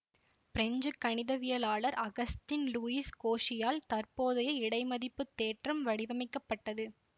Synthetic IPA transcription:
pɪɾɛɲd͡ʒɯkːɐɳɪðɐʋɪjɐlaːɭɐɾʔɐɣɐstɪnluːiskoːʂɪjaːlt̪ɐrpoːðɐjɐɪɽɐɪmɐðɪpːɯt̪ːeːʈrɐmʋɐɽɪʋɐmɐɪkːɐpːɐʈːɐðɯ

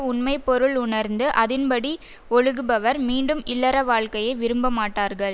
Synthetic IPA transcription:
ʊnmɐɪpːɔɾɯɭʊnɐɾnd̪ɯʔɐðɪnpɐɽi | ɔɻɯɣɯbɐʋɐɾmiːɳɖɯmɪlːɐɾɐʋaːɭkɐjɐɪʋɪɾɯmbɐmaːʈːaːɾɣɐɭ

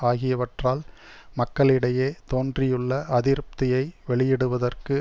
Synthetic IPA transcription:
aːɣɪjɐʋɐʈraːlmɐkːɐɭɪɽɐjeːt̪oːndrɪjɯɭːɐʔɐðɪɾɯp̚t̪ɪjɐɪʋɛɭɪjɛɽɯʋɐðɐrkɯ

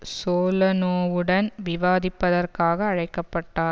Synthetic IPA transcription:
soːlɐnoːʋɯɽɐnʋɪʋaːðɪpːɐðɐrkaːɣɐːɻɐɪkːɐpːɐʈːaːɾ

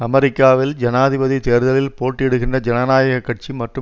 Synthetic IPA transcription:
ɐmɛɾɪkːaːʋɪld͡ʒɐnaːðɪbɐðit̪eːɾðɐlɪlpoːʈːɛɽɯɣɪndrɐd͡ʒɛnɐnaːjɐɣɐkːɐʈ̚t͡ʃimɐʈrɯ

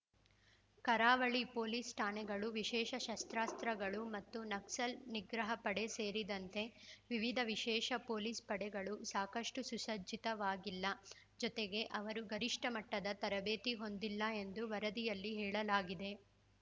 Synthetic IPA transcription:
kɐɾaːʋɐɭipo̞ːliːsʈʰaːnɛɡɐɭuʋiʃɛːʃɐʃɐst̪ɾaːst̪ɾɐɡɐɭumɐt̪ːunɐksɐlniɡɾɐɦɐpɐɽe̞seːɾid̪ɐnt̪e̞ʋiʋid̪ʱɐʋiʃɛːʃɐpo̞ːliːspɐɽɛɡɐɭusaːkɐʂʈususɐd͡ʒːit̪ɐʋaːɡilːɐ | d͡ʒɔt̪eɡe̞ʔɐʋɐɾuɡɐɾiʂʈɐmɐʈːɐd̪ɐt̪ɐɾɐbeːt̪iɦo̞nd̪ilːɐe̞nd̪uʋɐɾɐd̪ijɐlːiɦɛːɭɐlaːɡid̪e̞

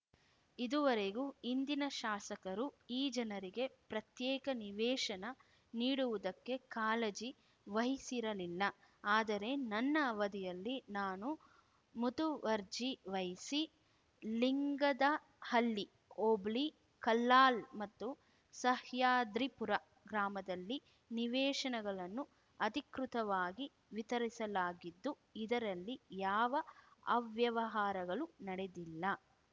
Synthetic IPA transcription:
id̪uʋɐɾe̞ɡuind̪inɐʃaːsɐkɐɾuiːd͡ʒɐnɐɾiɡe̞pɾɐt̪jɛːkɐniʋɛːʃɐnɐ | niːɽuʋud̪ɐkːe̞kaːled͡ʒi | ʋɐɦisiɾɐlilːɐ | aːd̪ɐɾe̞nɐnːɐʋɐd̪ijɐlːinaːnu | mut̪uʋɐɾd͡ʒiʋɐɦisi | liŋɡɐd̪ɐ | hɐlːi | oːbli | kɐlːaːlmɐt̪ːu | sɐhjaːd̪ɾipuɾɐ | ɡɾaːmɐd̪ɐlːi | niʋɛːʂɐnɛɡɐɭɐnːu | ɐd̪ikɾut̪ɐʋaːɡi | ʋit̪ɐɾisɐlaːɡid̪ːu | id̪ɐɾɐlːijaːʋɐɐʋjɐʋɐɦaːɾɐɡɐɭunɐɽed̪ilːɐ

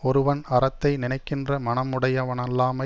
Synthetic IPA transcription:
ɔɾɯʋɐnɐɾɐt̪ːɐɪnɪnɐɪkːɪndrɐmɐnɐmɯɽɐjɐʋɐnɐlːaːmɐ

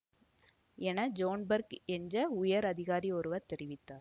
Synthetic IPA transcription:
ɛnɐd͡ʒoːnbɐɾkɛɲd͡ʒɐʊjɐɾɐðɪɣaːɾiɔɾɯʋɐt̪ɛɾɪʋɪt̪ːaːɾ

